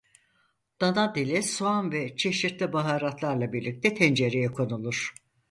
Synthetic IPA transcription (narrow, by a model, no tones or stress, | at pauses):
d̪̥anad̪ilʲisoanvɛt͡ʃʰe̞ʃiɾt̪lʲibaɦaːɾat̪lˠaɾlˠabiɾlʲic̚t̪ʰɛt̪ʰɛnd͡ʒe̞ɾejɛkʰo̞nulˠuɾ̥